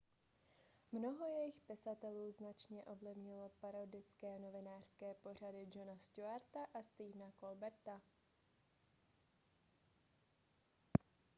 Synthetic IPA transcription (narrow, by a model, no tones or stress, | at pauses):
mno̞ɦo̞jɛjɪxpɪsat̪ɛluːznat͡ʃɲɛʔo̞vlɪvɲɪlopaɾodɪt͡skɛːno̞vɪnaːr̥skɛːpo̞r̝adɪd͡ʒonastuaɾt̪aʔast̪iːvnako̞lbɛɾt̪a